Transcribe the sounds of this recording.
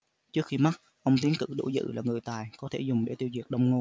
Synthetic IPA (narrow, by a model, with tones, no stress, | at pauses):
t͡ɕɨ˦˥ək̚xi˧ma˦˥t̚ | ʔə˧wŋ͡mt̪i˨˦ənkɨ̰˧˥ɗo̰˧˩zɨ̰˧˥laː˨˩ŋɨ˨˩əjt̪aː˨˩jkɔ˨˦t̪ʰe˧˩zʊ˨˩ŋ͡mɗe˧˩t̪i˧əwzi˨˩ək̚ɗə˧wŋ͡mŋo˧n